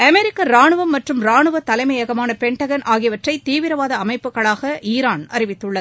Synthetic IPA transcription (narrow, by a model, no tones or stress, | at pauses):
ɐmɛɾɪkːɐɾaːɳɯʋɐmːɐʈrɯmɾaːɳɯʋɐt̪ːɐlɐɪmɐjɐɣɐmaːnɐpɛɳʈɐɣɐnʔaːɣɪʋɐʈrɐɪt̪ːiːʋɪɾɐʋaːðɐɐmɐɪpːɯɣɐɭaːɣɐʔiːɾaːnɐrɪʋɪt̪ːɯɭːɐð